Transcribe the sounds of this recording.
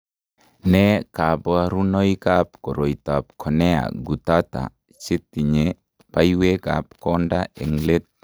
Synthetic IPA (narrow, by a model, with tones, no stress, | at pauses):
nɛka˨bɔaɾu˦no˦ikap̚kɔ˨ɾo˨it̪a˨p̚kʰɔ˨nɛ˦a̰ɡu˨t̪at̪a̰˨ | t͡ʃɪ˦t̪i˨ɲe | paiwe˦kap̚kɔndae˨ŋle˦t̪̚